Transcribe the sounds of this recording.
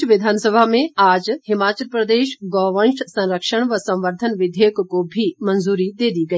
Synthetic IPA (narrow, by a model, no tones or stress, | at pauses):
ʋɪd̪ʱaːnsəbʱaːmẽaːd͡ʒhɪmaːt͡ɕəlpɾɐd̪eːʃɡɔːʋə̃nʃsɐ̃ɾəkʃəɳ̃ʋɐsɐ̃wʋəɾd̪ʱənʋɪd̪ʱeːkkːobʱimɐnzuːɾid̪eːd̪iɡɐi